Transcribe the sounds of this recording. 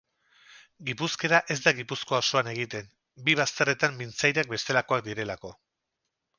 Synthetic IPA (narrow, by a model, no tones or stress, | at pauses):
ɡipuske̞ɾaʔe̞zd̪aɣipusko̞aoso̞ane̞ɣ̞it̪e̞n | biβ̞ast̪ere̞t̪ambint͡sajɾak̚be̞st̪e̞lako̞ak̚d̪iɾe̞lako̞